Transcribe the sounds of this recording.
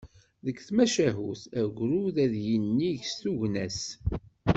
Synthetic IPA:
ðəkːθmæʃæɦuθæʝʷɾuðæðjənːiʝst̪uʝnæs

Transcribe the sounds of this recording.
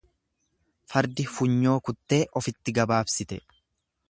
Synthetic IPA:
fɐɾd̪ɪfʊɲːo̞ːkʊt̪ːe̞ːʔɔfɪt̪ːɪɡɐbaːbsɪt̪ɛ

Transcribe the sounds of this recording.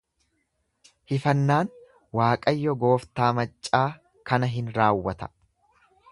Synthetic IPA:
hɪfɐnːaːn | waːkʼɐjːɔɡo̞ːft̪aːmɐt͡ʃʼːaː | kɐnɐɦɪnɾaːwːɐt̪ɐ̥

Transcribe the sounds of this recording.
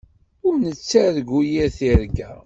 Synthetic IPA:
ʊɾnət͡sːæðɡujiɾθiɾɡæ

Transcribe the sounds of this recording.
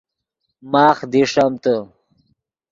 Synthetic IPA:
maːχd̪iʂɐmt̪ə

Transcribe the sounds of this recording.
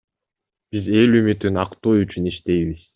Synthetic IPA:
b̥ize̞lymyt̪ynɑqt̪oːyt͡ʃyniʃt̪e̞jβiz̥

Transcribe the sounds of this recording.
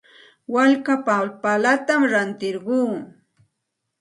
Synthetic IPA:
waʎkapapalat̪amɾant̪ɪɾɢuː

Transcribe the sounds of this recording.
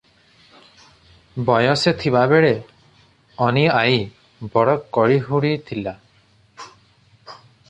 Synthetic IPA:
bɔjɔset̪ʰibabeɽe | ɔniaj | bɔɽɔkːɔɽiɦuɽit̪ʰila

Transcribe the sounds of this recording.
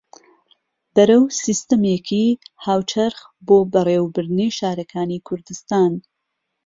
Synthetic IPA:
bɐɾɐwsist̪əmekʰihaːwt͡ʃʰɐɾx | boːbɐreːwbɨɾd̪ɨniʃaːɾɐkʰaːnikʰʊɾd̪ɨst̪aːn

